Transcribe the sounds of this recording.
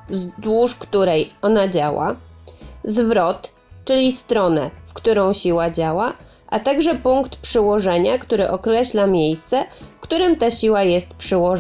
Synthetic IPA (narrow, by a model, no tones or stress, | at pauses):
zd̪wuʂkt̪uɾɛjɔnad͡ʑawa̰ | zvɾɔt̪ | t͡ʂɘlʲist̪ɾɔnɛfkt̪uɾɔ̃w̃ɕiwad͡ʑawa | ʔat̪aɡʐɛpuŋkt̪pʂɘwɔʐɛɲakt̪uɾɘʔɔkɾɛɕlamʲjejst̪sɛfkt̪uɾɘmt̪aɕiwajɛst̪̚pʂɘwɔʐ